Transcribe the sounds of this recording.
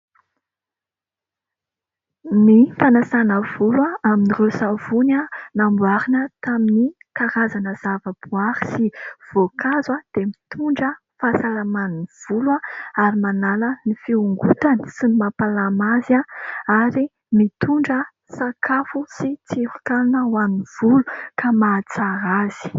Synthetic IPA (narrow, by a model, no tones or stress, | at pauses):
mifanasanəv̥ulwaaminirewsavunanambuaɾinət̪aminikaɾazanəz̥avəbuaɾi̥siv̥okazwad̪̥emit̪uɳɖ͡ʐə | fasalamaniv̥ulwaaɾimanalənifiuŋɡut̪ansinimapalamazaaɾi | mit̪uɳɖ͡ʐə | sakʰafusit͡siɾkalinəwaniv̥ulukamat͡saɾaz̥i̥